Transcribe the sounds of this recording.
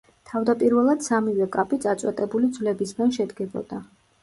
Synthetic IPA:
t̪ʰavd̪apʼiɾvɛlˠad̪̥samivɛkʼapʼit̪sʼat̪sʼwɛt̪ʼɛbulid̪zvlɛbisɡanʃɛd̪ɡɛbɔ̰d̪̥a

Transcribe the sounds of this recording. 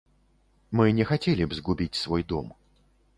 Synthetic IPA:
mɨnʲɛxatʲelʲɪbzɡʊbʲitʲsvɔjd̪ɔ̰m

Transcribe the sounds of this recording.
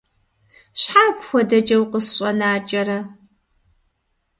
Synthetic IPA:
ɕħaːpʷxʷɔdɐd͡ʒɐwqəsɕʼɐnaːt͡ʃʼɐrɐ

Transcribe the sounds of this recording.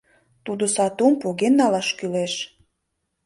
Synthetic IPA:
t̪ud̪osɑt̪umpoɣenːɑlɑʃkyleʃ

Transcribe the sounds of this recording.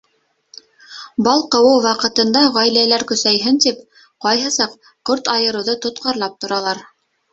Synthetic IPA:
bɑlˠqɤ̆wɤwwɑqɤ̆t̪ɤ̆nd̪ɑʁæjlælæɾkɵ̆sæjɦɘnt̪ip | qɑjɦɤ̆sɑq | kɵɾt̪ɑjɤ̆ɾɤ̆wðɤt̪ŏt̪̚qʰɑɾlˠɑp̚t̪ŏɾɑlˠɑɾ

